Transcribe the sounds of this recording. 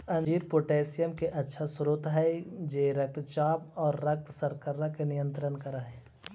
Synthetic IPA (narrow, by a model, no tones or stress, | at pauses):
ɐ̃nd͡ʒiːɾpoːʈeːsɪjəmkeʔɐtːʃʰasʊɾoːt̪ɦɛd͡ʒeːɾɐk̚t̪t͡ʃaːpɔːɾːɐk̚t̪sɐɾkəɾːakenɪjə̃nt̪ɾənkɐɾaɦɛː